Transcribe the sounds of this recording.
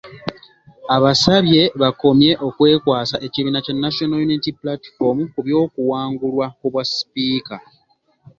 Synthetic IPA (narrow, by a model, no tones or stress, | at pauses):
aβasaβje̞βako̞mje̞ʔo̞kwe̞ːkwaːsaʔe̞ciβiːnacanːaʃionajuniitiplatfomukuβjo̞ːkuwaːŋɡulwaoβwaspiːka